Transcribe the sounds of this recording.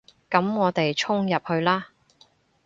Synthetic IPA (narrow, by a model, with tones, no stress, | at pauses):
kɐ˨˥mŋɔː˨˧t̪e˨jt͡ʃʰʊ˥ŋjɐ˨p̚hɵ˧ɥlaː˥